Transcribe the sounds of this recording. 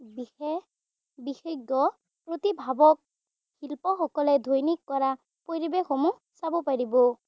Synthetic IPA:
biɛ | bixeɡɔ | pɹot̪ibʱabɔk̚ | hilpɔxɔkɔlɛdʱojnikːɔɹa | poɹibexɔmu | sabɔpaɹibɔ

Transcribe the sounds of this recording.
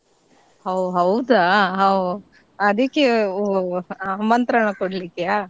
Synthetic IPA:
hɐwɦɐwd̪aɦɐw | ɐd̪ikːe | mɐnt̪ɾaɳɐkoɽlikːeaː

